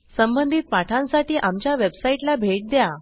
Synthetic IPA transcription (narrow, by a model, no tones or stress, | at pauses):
səmbənd̪ʱit̪̚paʈʰãnsaʈiːʔamt͡ɕjaʋebsaiʈlabʱeʈ̚d̪ja